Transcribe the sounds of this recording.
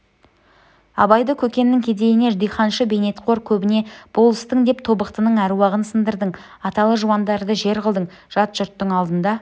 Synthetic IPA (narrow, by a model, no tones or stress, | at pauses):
ɑ̰bɑjd̪əkʲʰɵkʲe̞nːɪŋkʲʰe̞d̪e̞jɪne̞ʒd̪ijχɑnʃəbe̞jne̞t̪qʰo̞ɾkʲʰɵbɪne̞b̥o̞lˠəst̪əɴd̪e̞p̚t̪ʰo̞bəq̚t̪ənəɴæɾuwɑʁənsənd̪əɾd̪əɴ | ɑt̪ɑlˠəʒuwɑnd̪ɑɾd̪əʒe̞ɾʁəlˠd̪əɴ | ʒ̥ɑt̪ʒ̥ʊɾt̪ːəɴɑlˠd̪ənd̪ɑ